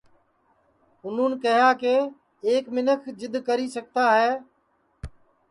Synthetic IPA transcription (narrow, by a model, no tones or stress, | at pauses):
ɦʊn̤ũːnkəɦjaːkeː | eːkmɪnəkʰd͡ʒɪd̪ʱkəɾiːsək̚t̪aːɦeː